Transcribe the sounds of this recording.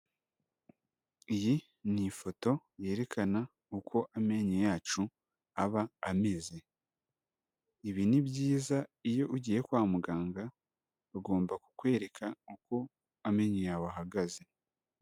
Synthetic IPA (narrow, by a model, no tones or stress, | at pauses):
iji | nifo̞to̞ | je̞ːɾe̞kana | ukʰo̞ʔame̞ɲojaːt͡ʃu | aβaːme̞ze̞ | iβinibɟiːzaijo̞ʔuɟiːje̞kwaːmuɡaːŋɡa | βaɡo̞ːmbaku̥kwe̞ːɾe̞kʰauko̞ | ame̞ɲojawaɦaɡaze̞